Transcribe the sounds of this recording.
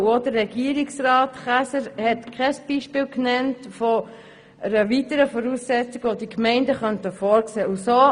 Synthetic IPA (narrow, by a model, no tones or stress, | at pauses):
odərːɛɡiːəɾiksrɑːtχæsəɾhɛtkʰɛsb̥iːʃpɪːlknɛntfɔ | əɾəʋitəɾəfɔɾuːsːɛt͡siɡəʋod̥ikmɛɪndəχœntəfɔːɾkseːusoː